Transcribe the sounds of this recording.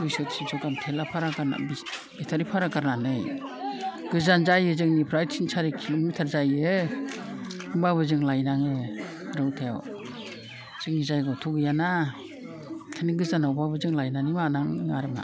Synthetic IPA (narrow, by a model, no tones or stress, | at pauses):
ujsɯtsinsʰɔɡamtʰelapʰaɾakana̰bi | bitʰaɾipʰaɾakaɾnanɯj | ɡ̥ɯzanzajɯzɯŋnipʰɾajtsʰinsʰaɾikʰimitʰaɾzajɯ | ɯmbabɯzɯŋlajnaŋɯ | ɾɯwtʰaja̰w | z̥ɯŋnizajɡɔtʰuɡɯjana | kʰɯniɡɯzanawbabɯzɯŋlajnanimanaŋaɾɯma̰